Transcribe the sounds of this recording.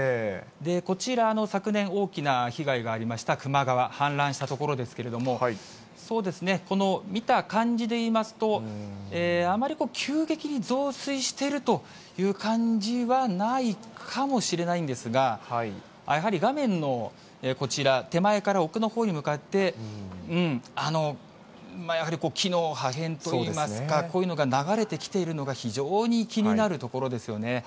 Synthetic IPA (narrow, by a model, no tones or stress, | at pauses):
d̪e̞ko̞t͡ɕiɾano̞sakɯ̟nẽ̞ɰ̃o̞ːkʲinaçiɡaiɡaːɾʲimaɕi̥t̪akɯ̟maɡaβahãnɾãɰ̃ɕi̥t̪at̪o̞ko̞ɾo̞d̪e̞sɨ̥ke̞ɾe̞d̪o̞mo̞ | so̞ːd̪e̞sɨne̞ko̞no̞mʲit̪akãɲ̟d͡ʑid̪e̞iːmasɨ̥t̪o̞eːamaɾʲiko̞ːkʲʰɨːɡe̞kʲiɲ̟izo̞ːsɨiɕi̥t̪e̞ɾɯ̟t̪o̞ | jɯ̟ːkãɲd͡ʑiβanaikkʰamo̞ɕiɾe̞naĩnd̪esɨɡa | a̰jaɦaɾʲiɡamẽ̞nːo̞ | eːko̞t͡ɕiɾat̪e̞mae̞kaɾao̞kɯ̟no̞ho̞ːɲ̟imɯ̟kat̪ːe̞ɯ̟̃ɴano̞ | majahaɾʲiko̞ːkʲʰino̞ːhaɦẽ̞nt̪oiiːmasɨ̥kakko̞ːjɯ̟no̞ɡanaɡaɾe̞t̪e̞kʲi̥t̪e̞iɾɯ̟no̞ɡaçiʑo̞ːɲ̟ikʲiɲ̟inaɾɯ̟t̪o̞ko̞ɾo̞d̪e̞sɨjo̞ne̞